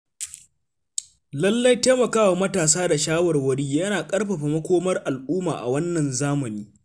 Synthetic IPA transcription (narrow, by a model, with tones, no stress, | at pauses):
lɐ˦lːɐ˦jteː˦mɐ˨kaː˦wa˨mɐ˦taː˨s̬aː˦da˨ʃaː˦wɐ˨rwɐ˦ɽiː˦jɐ˦naː˨kʼɐ˦rɸa˨ɸa˨mɐ˦kʷoː˦mɐ˦rʔa˨lʔuː˦maː˨ʔa̰˨wɐ˦nːɐ˨nzaː˦mɐ˨niː˦